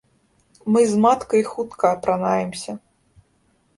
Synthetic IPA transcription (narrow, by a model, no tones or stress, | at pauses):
mɨzmat̪kɐixut̪kɐːpɾanajɛmsʲɐ